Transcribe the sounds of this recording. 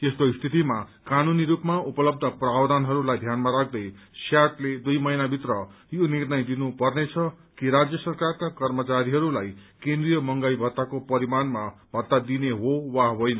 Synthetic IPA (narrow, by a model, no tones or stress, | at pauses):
est̪oist̪ʰit̪imakanuniɾupmaupʌlʌb̚d̪ʱʌprawd̪anɦʌɾulajd̪ʱjanmaɾak̚ʰd̪ʌj | sjaʈled̪ujmʌinabʱit̪rʌ | jonirnʌjd̪inupʌrnet͡sʰʌ | kiɾad͡zjʌsʌrkarkakʌrmʌt͡saɾiɦʌɾulajkend̪rijʌmʌŋɡajbʱʌt̪ːakopʌɾimanmabʱʌt̪ːad̪ineɦowaɦojnʌ